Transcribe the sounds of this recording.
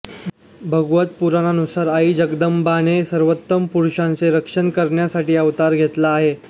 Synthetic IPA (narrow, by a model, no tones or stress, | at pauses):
bʱəɡʋət̪̚puɾananusaɾaid͡ʑəɡd̪əmbanesəɾʋət̪ːəmpuɾɕãnt͡seɾəkʂənkəɾɳjasaʈiːəʋt̪aɾɡʱet̪laːɦe